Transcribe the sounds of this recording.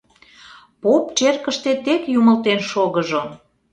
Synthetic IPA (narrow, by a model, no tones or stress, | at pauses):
popt͡ɕerkəʃt̪et̪ekjuməlt̪enʃoɣəʒo